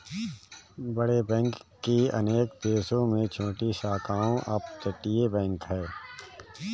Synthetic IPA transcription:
bəɽebɛ̃ːŋkː | iɐ̰neːkd̪eːsõmẽt͡ʃʰõːʈisaːkaːõʔɐpt̪ɐʈːijebɛ̃ːŋkɦɛː

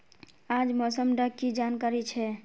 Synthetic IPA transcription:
ãd͡ʒmɔsəmɖəkːid͡ʒankaɾit͡ʃʰɛ

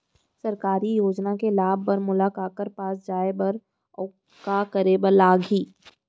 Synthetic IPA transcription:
sɐɾkaːɾijoːd͡ʒnakelaːbʱpɐɾmʊlaːkaːkəɾpaːsd͡ʒaːebɐɾː | kakəɾebəɾlaːɡɦiː

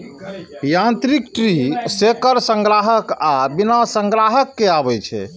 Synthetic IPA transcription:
jãnt̪ɾikʈɾisekəɾsə̃ŋɡɾaɦəkabinasə̃ŋɡɾaɦəkːeabɛt͡ʃʰɛ̰

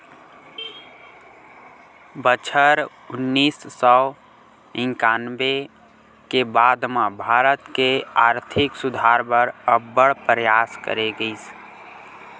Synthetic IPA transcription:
bət͡ʃʰəɾ | ʊnːiːsːɔ | ɪ̃ŋkaːnbe | kebaːd̪mãbʱaːɾət̪keaːɾt̪ʰɪksʊd̪ʱaɾbəɾəbːəɽpɾəjaskə̰ɾeɡəis

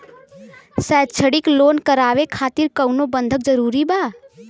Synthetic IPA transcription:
sɛd̪̚t͡ʃʰəɽiklonkəɾaʋekʰaːt̪iɾkəwnobənd̪ʱək̚d͡ʒəɾuɾiba

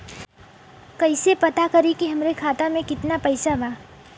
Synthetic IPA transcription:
kɐɪsepɐt̪akɐɾikiɦɐmɾekʰaːt̪amẽkɪt̪napɐɪsaʋaː

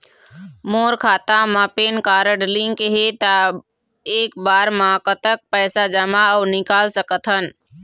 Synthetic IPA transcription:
moːɾkʰaːt̪amãpeːnkaːɾəɖlɪ̃ŋkeɦet̪a | eːk̚baːɾmãkət̪ək̚pɛːsad͡ʒəmaəːnɪkaːlsəkət̪ɦən

